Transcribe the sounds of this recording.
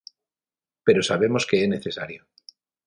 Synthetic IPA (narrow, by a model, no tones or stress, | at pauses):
pe̞ɾo̞saβ̞e̞mo̞ske̞ene̞θe̞saɾjo